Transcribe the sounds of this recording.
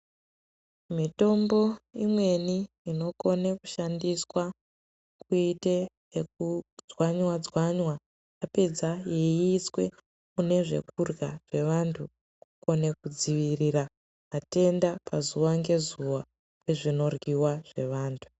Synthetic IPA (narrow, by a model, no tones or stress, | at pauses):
mito̞mbo̞imwe̞niː | no̞ko̞neku̥ʃandiswa | kuite | ek̚ud͡zwaɲwad͡zwaɲwa | japed͡zaje̞iːswe̞̰ | une̞ʐe̞̰kurɣaʐe̞ʋantʰu | kuko̞ne̞kud͡ziʋirira | ɦate̞ndapʰazuʋaŋɡe̞zuwa | pwe̞ʐino̞rɡiwaʐ̥e̞̰ʋaːntʰu̥